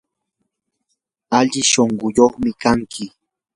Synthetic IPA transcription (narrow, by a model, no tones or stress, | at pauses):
aʎɪʃoɴɢʊjoχmɪkaŋkʰɪ